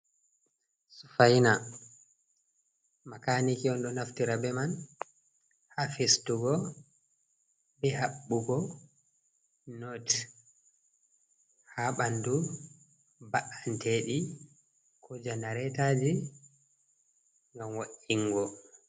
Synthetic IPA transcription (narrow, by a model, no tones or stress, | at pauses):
su̥fajna | makanikiɔnɗɔnaftiɾabɛman | hafistuɡɔ | bɛɦaɓːuɡɔ | not | haɓandu | baʔantʰeɗi | kʰɔd͡ʒanaɾɛtad͡ʒi | ŋɡamwaʔiŋːɡɔ